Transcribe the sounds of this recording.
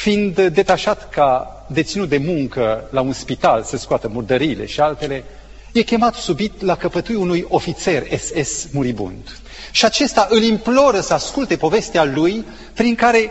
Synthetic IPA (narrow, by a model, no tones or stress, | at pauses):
find̪d̪e̞t̪aʃat̪ka | d̪e̞t̪sinut̪̚d̪e̞muŋkəlaunspit̪alsəskoat̪əmurd̪əɾiːle̞̰ʃialt̪e̞le̞ | je̞kʲe̞mat̪subit̪lakəpət̪ujunujo̞fit̪se̞resesmuɾibṵnd̪ | ʃiat͡ʃe̞st̪aʔɨlimplo̞ɾəsəaskult̪e̞po̞ve̞st̪ealuj | pɾiŋkaɾe̞